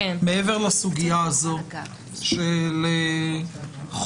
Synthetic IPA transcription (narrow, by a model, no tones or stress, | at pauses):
meeveʁlasuɡijaːzo̞ | ʃele | χ